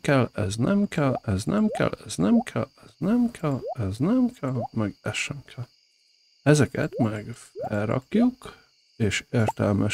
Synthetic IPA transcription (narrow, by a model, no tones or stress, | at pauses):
kɛlɛznɛmkɛlɛznɛmkɛ̰lːɛznɛmkʰɛ̰lɛznɛmkʰɛlɛznɛmkʰɛlmɛɡɛʃɛmkʰɛl | ɛzɛkɛ̰t̪mɛɡfɛlrɒ̰kjuk | eːʃeːrt̪ɛlmʔɛ